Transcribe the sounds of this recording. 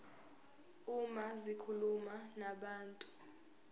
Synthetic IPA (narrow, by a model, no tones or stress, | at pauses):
umazikʰulumanaɓaːntʼu